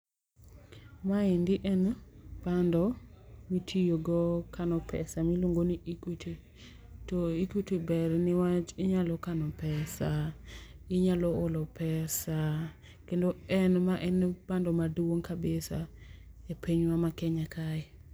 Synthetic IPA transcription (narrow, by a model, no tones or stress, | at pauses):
maɪndɪʔɛnb̥andɔmitʰijoɡɔkʰanɔpʰɛ̰samiloŋɡoniʔikutʰi | tɔikutibɛrnɪwat͡ʃɪɲalɔkanɔpɛsa | ɪɲalɔolɔpɛsa | kendoɛnmaʔɛnb̥andɔmadwoŋkabɪsaepʰeɲwamakɛɲakʰaɪ